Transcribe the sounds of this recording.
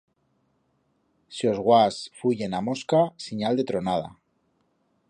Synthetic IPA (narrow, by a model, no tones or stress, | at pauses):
sio̞zɣwasfuʝenamo̞skasiɲald̪e̞t̪ɾonað̞a̰